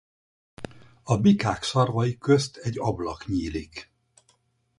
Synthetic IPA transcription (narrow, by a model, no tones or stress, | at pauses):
ɒbikaːkʃɒrvɒjikø̞st̪ʰɛɟːɒblɒkɲiːlik